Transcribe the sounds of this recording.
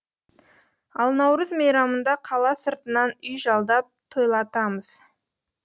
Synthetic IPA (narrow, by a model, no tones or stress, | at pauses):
ɑlˠnɑwɾəzmejɾɑmənd̪ɑqʰɑlˠɑsəɾt̪ənɑnʏjʒɑlˠd̪ɑp̚t̪ʰojlˠɑt̪ɑməz̥